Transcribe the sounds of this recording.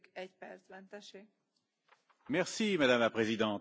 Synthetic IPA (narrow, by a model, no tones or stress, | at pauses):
kɛɟpɛrsbɛnt̪ɛʃeː | mɛʁsimad̪amlapχezid̪ɑ̃t̪